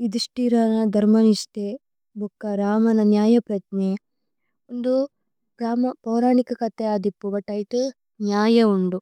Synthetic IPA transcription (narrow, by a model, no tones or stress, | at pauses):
id̪iʂʈiɾaːnɐd̪ʱɐɾmɐniʂt̪e | bʱukːɐɾaːmɐnɐnjaːjɐpɾɐt̪ne | ond̪u | ɡɾaːmɐpɐːɾaːɳikɐkɐt̪ːeaːd̪ipːubɐʈːɐjit̪u | njaːjɐuɳɖu